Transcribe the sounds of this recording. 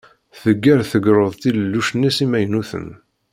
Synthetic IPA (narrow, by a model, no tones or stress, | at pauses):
θəɡːæɾθəɡɾˤəðˤt̪iləlːuʃnːisimæjnuθə̰n